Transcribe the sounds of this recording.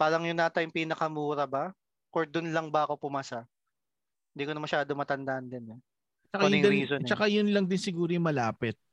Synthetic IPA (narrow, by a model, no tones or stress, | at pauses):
paːɾɐŋjʊnːat̪ajʊŋpiːnɐkɐmuːɾɐbɐ | koɹd̪ʊnlɐŋbɐʔɐko̞pʊmaːsa | ɪnd̪iːkonɐmɐʃaːd̪omɐt̪ɐnd̪aʔɐnd̪ɪnɛ | t͡ʃɐhd̪ɛiːsot͡ʃɐkajʊnlɐŋd̪ɪnsɪɡuːɾojʊmɐlaːpɪt̪̚